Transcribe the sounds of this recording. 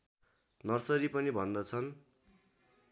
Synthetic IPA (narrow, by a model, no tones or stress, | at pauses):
nʌrsʌɾipʌnibʱʌnd̪ʌt͡sʰʌn